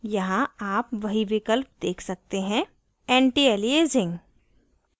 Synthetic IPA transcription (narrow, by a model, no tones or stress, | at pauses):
jɐɦãaːpʋɐɦiʋɪkəlp̚d̪eːkʰsɐk̚t̪eɦɛ̃ | ɛ̃ːɳʈieːlieːzɪ̃ŋɡ